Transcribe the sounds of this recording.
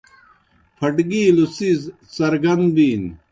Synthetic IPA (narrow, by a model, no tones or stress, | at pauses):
pʰɐʈɡiːlusiz | sɐɾɡɐnd̪biːn